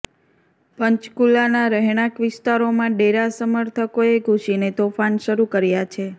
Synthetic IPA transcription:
pəɲt͡ʃkulːanaɾəɦɽ̃akʋɪst̪aɾomãɖeɾasəməɾt̪ʰəkoeɡʱuʃinet̪ofanʃəɾukəɾjat͡ʃʰe

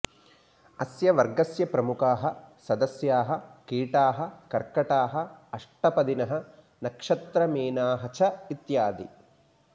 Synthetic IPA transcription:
ɐsjɐʋɐɾɡɐsjɐpɾɐmukaːɦɐsɐd̪ɐsjaːɦɐkiːʈaːɦɐkɐɾkɐʈaːɦɐɐʂʈɐpɐd̪inɐɦɐ̆ | nɐkʂɐt̪ɾɐmeːnaːɦɐt͡ʃʰɐit̪jaːd̪ḭ

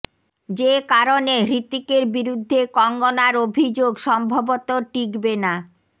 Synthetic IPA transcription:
d͡ʑekaɾoneɾit̪ːikeɾbiɾud̪ʱːekɔŋɡonaɾobʱid͡ʑoɡʃɔmbʱobot̪oʈikbena

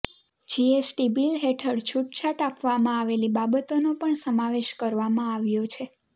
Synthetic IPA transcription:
d͡ʒiesʈibilɦeʈʰəɽt͡ʃʰuʈt͡ʃʰaʈapʋamãaʋelibabət̪onopəɳsəmaʋeʃkəɾʋamãaʋjot͡ʃʰe

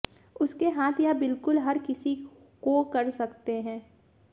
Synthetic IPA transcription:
ʊskeɦaːt̪ʰjabɪlkʊlɦɐɾkɪsi | kokɐɾsɐkt̪eɦɛ̃ː

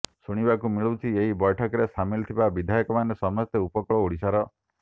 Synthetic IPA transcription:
suɽ̃ibakumiɭut͡ʃʰieɦibɔjʈʰɔkɔɾesʰamilt̪ʰibabid̪ʱajɔkɔmanesɔmɔst̪eupɔkɔɭɔuɽisaɾɔ

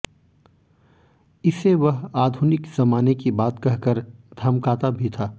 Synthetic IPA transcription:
ɪseʋɐɦaːd̪ʱʊnɪkz̥ɐmaːnekibaːt̪kɐɦkəɾd̪ʱɐmkaːt̪abʱit̪ʰaː

